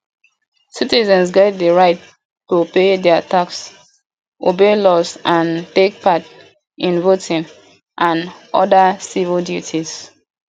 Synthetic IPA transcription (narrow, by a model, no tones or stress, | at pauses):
sitizɛ̃nsɡaɪd̚dəɹaɪt | tupedɛataks | ʔobelɔsʔãntek̚pat | ʔĩnvotʰĩŋ | ʔãnʔɔdəsivildjutʰiz̥